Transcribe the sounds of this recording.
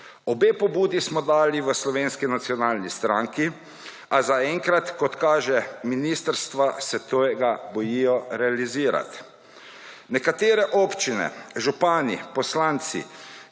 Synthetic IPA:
ɔbeːpɔbuːd̪ismɔd̪aːliʋəslɔʋeːnskinat̪sjɔnaːlnist̪ɾaŋki | azaɛŋkɾat̪kɔt̪kaːʒɛminiːst̪əɾst̪ʋasɛt̪oːjɛɡabɔjijɔɾɛaliziːɾa̰t̪ | nɛkat̪eːɾɛʔɔːpt͡ʃinɛ̰ʒupaːnḭpɔslaːnt̪sḭ

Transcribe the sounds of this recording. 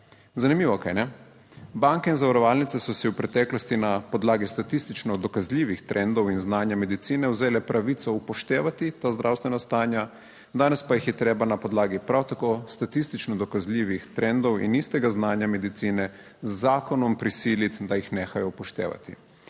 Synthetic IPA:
zanimiːʋɔkajnɛ | baŋkɛinzaʋaɾɔʋaːlnit̪sɛsɔsiwpɾɛt̪ɛːklɔst̪inapɔd̪laːɡist̪at̪ist̪it͡ʃnɔd̪ɔkazlʲiːʋixt̪ɾʔɛnd̪ɔwinznaːnjamɛd̪it̪siːnɛwzeːlɛpɾʔaʋit̪sɔupɔʃt̪eːʋat̪it̪aːzd̪ɾawst̪ʋɛnast̪aːnja | d̪aːnɛspajixjɛt̪ɾeːbanapɔd̪laːɡipɾawt̪akoːst̪at̪ist̪it͡ʃnɔd̪ɔkazlʲiːʋixt̪ɾʔɛnd̪ɔwḭnist̪ɛɡaznaːnjamɛd̪it̪siːnɛ | zːaːkɔnɔmpɾisiːlit̪d̪ajixneːxajɔpɔʃt̪ḛːʋa̰t̪ḭ

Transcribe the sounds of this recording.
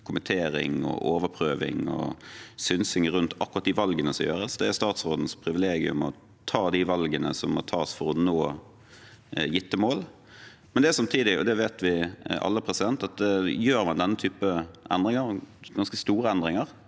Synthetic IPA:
kʰʊmənt̪ʰeːɾɪ̰ŋɔ̰ʔoːʋəpʰɾøːʋɪ̰ŋɔ̰sʏnsɪŋəɾʉnt̪ʰɑkːʊʁɑt̪̚d̪iʋɑlɡənəsɔmjøːɾəsd̪ɛæɾst̪ɑːt̪sɾoːd̪n̩spʰɾɪʋɪleːɡɪʉ̰mɔ | t̪ʰɑːd̪ɪʋɑlɡənəsɔmmɔt̪ʰɑːsfɔɾɔnoː | jɪt̪ːəmoːl | mɛnd̪ɛæɾsɑmt̪ʰiːd̪ɪɔ̰d̪ɛʋeːt̪ʋɪʔɑ̰lːəpʰɾɛsɪd̪ɛnt̪ɑt̪̚d̪ɛjøːɾmɑnd̪ɛnːət̪ʰyːpəʔɛnd̪ɾɪŋəɾɡɑnskəst̪uːɾəɛnd̪ɾɪŋəɾ

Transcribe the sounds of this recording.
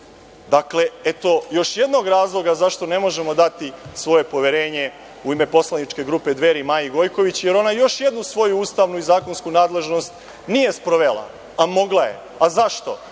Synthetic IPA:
d̪akle̞et̪o̞jo̞ʃje̞d̪no̞ɡɾaːzlˠo̞ɡazaʃt̪o̞ne̞mo̞ʒe̞mo̞d̪at̪isʋo̞je̞po̞ʋeɾe̞ːɲe̞ | uime̞po̞slanit͡ʃke̞ɡɾuːpe̞d̪ʋe̞ːɾimaːjiɡo̞jko̞ʋit͡ɕje̞ɾo̞najo̞ʃje̞d̪nusʋo̞juuːst̪aʋnuizaːko̞nskunaːd̪le̞ʒno̞st̪ | nije̞spɾoʋela̰ | amo̞ɡlˠaje̞̰ | azaʃt̪o̞

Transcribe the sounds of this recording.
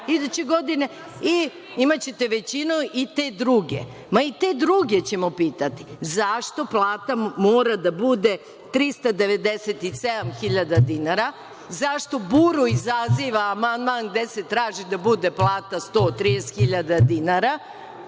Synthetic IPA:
id̪ut͡ɕeɡo̞d̪ine̞ | i | imat͡ɕet̪e̞ʋe̞t͡ɕinuit̪e̞ːd̪ɾuɡe̞̰ | mait̪e̞d̪ɾuɡe̞t͡ɕe̞mo̞piːt̪at̪i̥zaʃt̪o̞plˠaːt̪amoːɾad̪abud̪e̞ | t̪ɾist̪ad̪e̞ʋe̞d̪eset̪ised̪amxiʎad̪ad̪inaɾa | zaʃt̪o̞buɾuizaziʋaːmand̪manɡ̚d̪ese̞t̪ɾaːʒid̪abud̪e̞plˠaːt̪ast̪o̞ːt̪ɾijest̪xiʎad̪ad̪inaɾa

